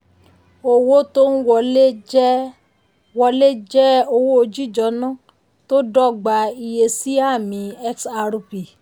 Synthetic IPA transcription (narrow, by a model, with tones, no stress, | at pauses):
o˧wo˦to˦n̩˦wɔ˧le˦d͡ʒ | wɔ˧le˦d͡ʒɛ˦o˧wo˦o˧d͡ʒi˦˨d͡ʒɔ˧˦nã˦˨ | to˦dɔ˦˨ɡ͡ba˧i˧je˧si˦a˦˨mĩ˨˧˦ɛ˦ksa˧ɾu˧pi˨